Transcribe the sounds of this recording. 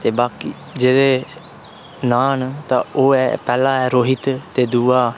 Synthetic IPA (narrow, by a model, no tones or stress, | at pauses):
t̪eːbaːkiː | d͡ʒeːdeː | naːnt̪ã̰ːoːɛːpɛːlãːɛːɾoːɦɪt̪t̪eːd̪uːaː